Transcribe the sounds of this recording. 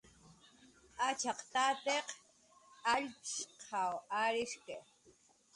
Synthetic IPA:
at͡ʃɑqt̪at̪eq | aʎʃqʰawaɾɪʃke

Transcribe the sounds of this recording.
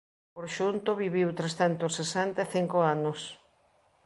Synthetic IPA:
poɾʃunt̪ʊβiβiwt̪ɾest̪ɛnt̪osesent̪ɐeθiŋkoanʊs

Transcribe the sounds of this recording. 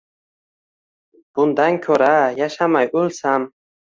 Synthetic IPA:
b̥und̪aŋkʰɔɾajaʃhamajʔulsam

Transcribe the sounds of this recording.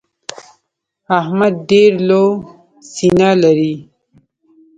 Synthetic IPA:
ahmad̪̚ɖeɾlo | sinalaɾi

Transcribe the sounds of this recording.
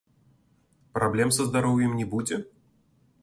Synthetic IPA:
pɾʔablʲɛmsɐzd̪aɾɔwjɛmnʲɛbud͡zʲɛ

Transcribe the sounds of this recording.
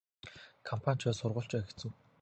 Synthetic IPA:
kʰɔmpʰan̥ʲt͡ɕʰɔːsʊrʁʊ̆ɬt͡ɕpæːxe̥t͡sɘ̆w

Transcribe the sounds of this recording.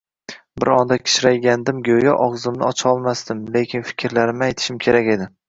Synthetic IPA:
bɪ̰ɾɒnd̪akʲʰɪ̥ʃɾajɡʲand̪ɪmɡʲojaʔɒʁzɪmnɪ̰ɒt͡ʃʰɒlˠmast̪ɪmle̞kʲʰɪnfɪ̥kʲʰɾlaɾɪmɪajt̪ʰɪ̥ʃɪmkʲʰe̞ɾakʲe̞d̪ɪ

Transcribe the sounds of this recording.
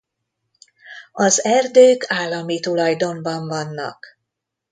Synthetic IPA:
ɒzɛrd̪øːkaːlːɒmit̪ulɒjd̪o̞ɱbɒɱvɒnːɒ̰k

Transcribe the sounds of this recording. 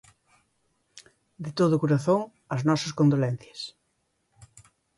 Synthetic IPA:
d̪et̪oðʊkuɾaθoŋ | ɐznɔsɐskond̪olɛn̟θjɐs

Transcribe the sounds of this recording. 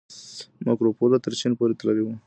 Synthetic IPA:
makɾopolat̪əɾt͡ʃinpoɾet̪əlalewu

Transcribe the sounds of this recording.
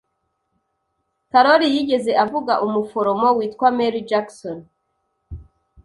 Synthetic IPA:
kaɾoɾijiɟe̞ze̞ʔavuɡaʔumufo̞ɾo̞mo̞wiːtkwameɾid͡ʒakson

